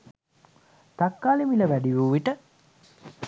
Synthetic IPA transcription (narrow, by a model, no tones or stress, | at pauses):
t̪akːaːlimiləʋæɖiʋuːʋiʈə